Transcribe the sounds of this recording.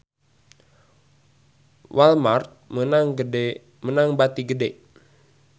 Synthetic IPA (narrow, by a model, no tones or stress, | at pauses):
wʔalmart̪̚mənaŋ | mənaŋbat̪iɡədeʔ